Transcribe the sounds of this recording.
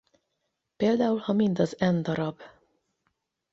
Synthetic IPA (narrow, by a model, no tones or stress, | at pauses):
peːld̪aːulhɒmind̪ɒzɛnd̪ɒɾɒb